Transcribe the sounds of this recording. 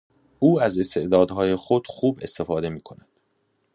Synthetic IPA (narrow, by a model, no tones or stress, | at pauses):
uːæze̞st̪ʰe̞ʔd̪ɒːd̪ɦɒːje̞xo̞d̪̥xuːbe̞st̪e̞fɒːd̪e̞miːkʰo̞næd̪̥